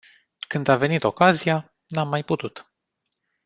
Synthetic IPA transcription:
kɨnd̪ave̞nit̪o̞kazija | namːajput̪ut̪

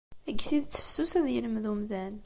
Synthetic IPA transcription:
æɡːθiðt͡sːə̥fsusæðjəlmðumðæn

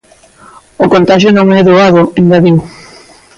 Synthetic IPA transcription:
ʊkont̪aʃjʊnõŋɛðoaðʊeŋɡaðiw

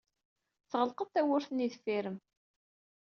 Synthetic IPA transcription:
θʁəlqəðθæwʊɾθniðfiɾəm

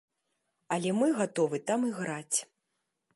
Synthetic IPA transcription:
ɐlʲɛmɨɣat̪ɔvɨt̪amiɣɾat͡sʲ

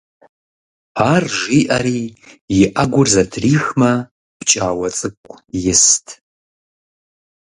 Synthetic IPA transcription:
aːrʒiːʔɐɾiːjɪʔɐɡʷʊrzɐtʰriːxmɐ | pt͡ʃʼaːwɐt͡sʼɨkʷʼjɪstʰ

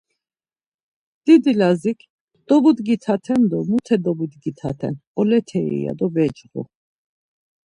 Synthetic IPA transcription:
d̪̥id̪ilazikʰ | d̪̥ɔbud̪ɡit̪ʰat̪ʰɛnd̪ɔmut̪ʰɛd̪ɔbud̪ɡit̪ʰa̰t̪ʰɛ̰nɔlɛt̪ʰɛɛ̰ja̰d̪ɔbɛt͡ʃɾṵ

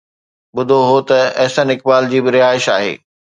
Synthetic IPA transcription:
ɓʊd̪ʱoɦot̪ɐɐɦsənɪk̚baːld͡ʑiːbɪɾɪaːɪʃa̰ːɦḛː

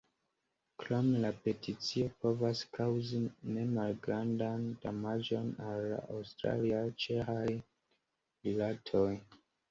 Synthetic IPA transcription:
kɾomelape̞tit͡sio̞po̞vaskawzine̞malɡɾandandamad͡ʒo̞nalːa̰ʔawstɾa̰liat͡ʃe̞xaj | ɾilatʰo̞j

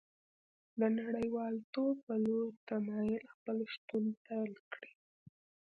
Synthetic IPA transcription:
d̪ənaɽəjwɑlt̪ob̚pəloɾt̪amɑjɪlxpəlʃt̪unt̪alkɽi̥

